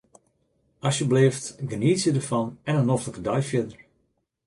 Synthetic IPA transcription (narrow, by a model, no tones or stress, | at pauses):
ɑsjəblɪːftɡəniːsjədəɹfɑnɛnənoftləkədɔjfjɪdəɹ